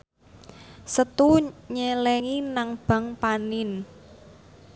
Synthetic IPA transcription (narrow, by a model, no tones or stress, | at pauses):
sət̪uɲɛlɛŋinaŋb̥a̤ŋpanɪn